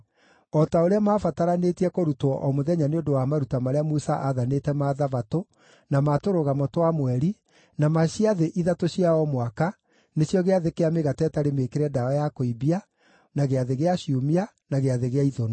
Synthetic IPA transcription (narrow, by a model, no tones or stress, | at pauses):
ɔtaoɾeamaːfataɾanetiɛkoɾutɔʔɔmoðɛɲaneondowamaɾutamaɾeamusaʔaðanetɛmaðavato | namatoɾoɣamɔtwamwɛɾi | namaɕiaðeʔiðatoɕiaɔmwaka | neɕjɔɣeaðekeameɣatɛtaɾemekeɾɛdaɔjakoibia | naɣeaðeɣeaɕiumia | naɣeaðeɣeaiðɔno